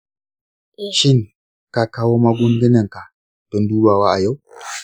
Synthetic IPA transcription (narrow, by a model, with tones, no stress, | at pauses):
ʃɪ˦ŋ | ka˨kaː˦woː˦ma˦ɡʷʊ˦ŋɡɪ˦nɐ˨ŋka˨ | d̥ɔ˦nduː˦baː˨waː˦ʔa˨ja˦w